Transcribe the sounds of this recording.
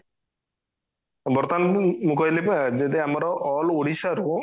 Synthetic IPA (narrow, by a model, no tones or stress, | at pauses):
bɔɾt̪anmũkɔjlipd͡ʒed̪iamɔɾɔʔɔloɽisaɾu